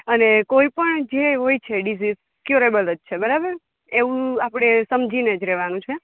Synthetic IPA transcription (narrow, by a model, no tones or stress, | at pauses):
ənekoipəɳd͡ʒeɦojt͡ʃʰeɖizis | kjuɾebələd͡ʒt͡ʃʰebəɾabəɾ | eʋũapɽ̃esəmd͡ʒʱined͡ʒɾɛʋanũt͡ʃʰe